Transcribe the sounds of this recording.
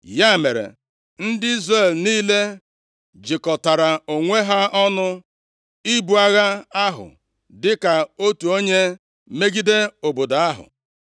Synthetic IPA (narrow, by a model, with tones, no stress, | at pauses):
ja˦˨me˨ɾḛ˨ | n̩˦dɪ˦i˦zre˦˨l̩˨niː˦le˦ | d͡ʒɪ˨kɔ˨ta˨ɾa˨o˨ŋʷe˦ɦa˦ɔ˦nʊ˦ | i˦bu˨a˨ɣa˦a˦ɦʊ̰˨ | dɪ˦ka˨o˦tu˨o˦ɲe˦ | me˦ɡi˦de˦o˨bo˨da˨a˦ɦʊ̰˨